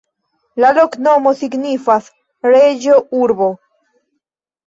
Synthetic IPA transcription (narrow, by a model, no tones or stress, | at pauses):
laloknomosiɡnifas | ɾed͡ʒoʔuɾβo